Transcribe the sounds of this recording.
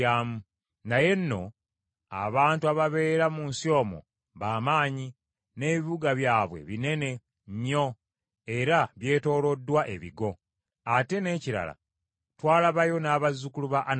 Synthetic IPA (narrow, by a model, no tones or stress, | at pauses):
aːmu | naje̞nːo̞ | a̰βaːntuaβaβe̞ːɾamuːnsio̞ːmo̞̰ | βaːmaːɲi | ne̞ːβiβuɡaβjaːβwe̞̰βine̞ne̞ | ɲːo̞ | e̞ɾaβje̞ːto̞ːlo̞dːwaʔe̞βiɡo̞ | ate̞ne̞ːciɾa̰la̰ | twaːlaβajo̞naːβazukuluβaʔn